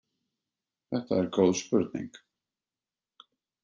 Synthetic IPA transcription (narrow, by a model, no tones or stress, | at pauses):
θɛht̪aɛɾkoːwðspʏɾt̪nḭ̃ŋk